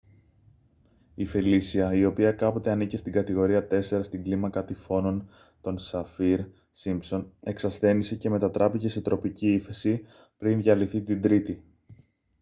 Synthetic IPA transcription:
ifelisiɐio̞piɐkɐpo̞t̪e̞ɐnicest̪iɡɐt̪iɣo̞ɾiɐt̪e̞se̞ɾɐst̪iŋɡlimɐkɐt̪ifo̞no̞n | t̪o̞nsɐfiɾ | simpso̞ne̞ksɐsθe̞nise̞ce̞me̞t̪ɐt̪ɾʔɐpice̞se̞t̪ɾo̞piciiθe̞si | pɾinðʝɐliθit̪ind̪ɾit̪i

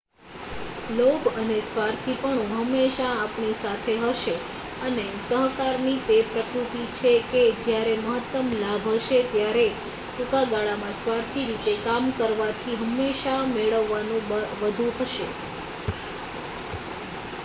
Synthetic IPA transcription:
lobənesʋaɾt̪ʰipəɳũɦəmːeʃaːpɳisat̪ʰeɦəʃe | ənesəɦkaɾnit̪epɾəkɾut̪it͡ʃʰeked͡ʒjaɾeməɦət̪ːəmlabʱɦəʃet̪jaɾe | ʈukaɡaɭamãsʋaɾt̪ʰiɾit̪ekamkəɾʋat̪ʰiɦəmːeʃameɭəʋːanũʋəd̪ʱũɦəʃe

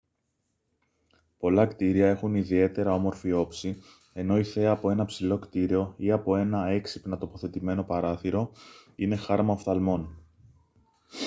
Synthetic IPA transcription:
po̞lɐkt̪iɾiɐe̞xuniðie̞t̪e̞ɾɐo̞mo̞ɾfio̞psi | e̞no̞iθe̞ɐːpo̞e̞nɐpsilo̞kt̪iɾio̞iɐpo̞e̞nɐe̞ksi̥pnɐt̪o̞po̞θe̞t̪ime̞no̞pɐɾɐθiɾo̞ine̞xɐɾmɐoft̪ɐlmo̞n

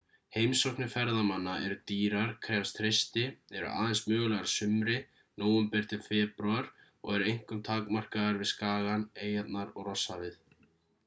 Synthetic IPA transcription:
hejmsɔwknɪfɛɾðamanːaʔɛɾʏt̪iːɾaɾ̥kʰɾɛːfst̪ʰɾejst̪ɪɛɾʏ̰ʔa̰ːðɛnsmœːɣʏlɛɣaɾ̥sʏmɾɪ | noːwʏmpɛr̥t̪ɪɾfɛːpɾʏaɾ̥ | ɔ̰ɣɛɾʏejŋ̥kʏmt̪ʰaːkmar̥kaðaɾvɪðskaːɣaneːjat̪naɾɔɣrɔsːavɪθ

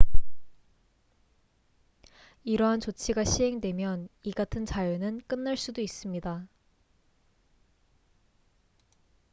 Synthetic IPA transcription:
iɾʌɦant͡ɕot͡ɕʰiɡaɕʰiɦe̞ŋdwe̞mjʌniɡatʰɯnt͡ɕajunɯnk͈ɯnːaɭs͈udois͈ɯmɲida

